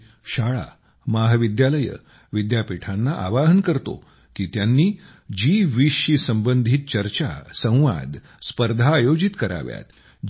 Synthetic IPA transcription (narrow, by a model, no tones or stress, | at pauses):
ɕaɭa̰ | maɦʋid̪jaləjə̰ | ʋid̪japiʈʰanːaʔa̰ʋaɦənkəɾt̪o̰ | kiːt̪janːiː | d͡ʑiʋiʂisəmbənd̪ʱit̪̚t͡ɕəɾt͡ɕa̰sə̃w̃ʋa̰d̪ʱ | spəɾd̪ʱaːjod͡ʑit̪kəɾa̰ʋja̰t̪